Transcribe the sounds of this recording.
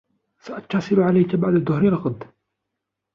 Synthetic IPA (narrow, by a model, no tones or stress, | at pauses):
saʔɑt̪ːɑsˤɨlʕalajkabaʕd̪ad̪ːʊhɾilɑqd̪